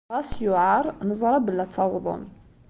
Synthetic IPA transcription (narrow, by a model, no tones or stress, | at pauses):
ɑsjuʕaɾˤnəzˤɾˤɑbəlːæt̪ʰːɑwd̪ˤʊ̰n